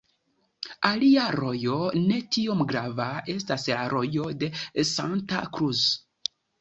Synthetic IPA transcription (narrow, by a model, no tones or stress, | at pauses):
aliaɾo̞jo̞ne̞tio̞mɡɾavae̞staslaɾo̞jo̞de̞sa̰nta̰kɾus